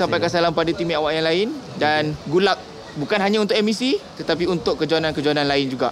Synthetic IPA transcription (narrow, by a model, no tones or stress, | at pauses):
sampajkasalampadat̪imĩawaʔjaŋlaɪndanɡulak̚ | bukanɦaɲãunt̪ʊkʔɛmisit̪ət̪apiunt̪ʊʔkːəd͡ʒuanankəd͡ʒuanãnlaɪnd͡ʒuɡa̰ʔ